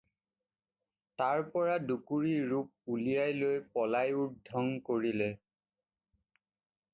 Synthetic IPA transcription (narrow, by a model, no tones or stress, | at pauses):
taɹpɔɹadukuɹiɹup̚ulijajlojpɔlajudʱɔŋkoɹilɛ